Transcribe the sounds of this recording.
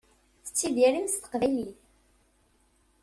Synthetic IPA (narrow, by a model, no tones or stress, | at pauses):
θə̥t͡sːiðiɾimst̪ə̥qvæliθ